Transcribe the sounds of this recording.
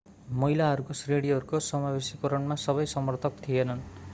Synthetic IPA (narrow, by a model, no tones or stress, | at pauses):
mʌɦilaɦʌɾukosreɽiɦʌɾukosʌmabesikoɾʌɳmasʌβʌjsʌmʌrt̪ʰʌk̚t̪ʰijenʌn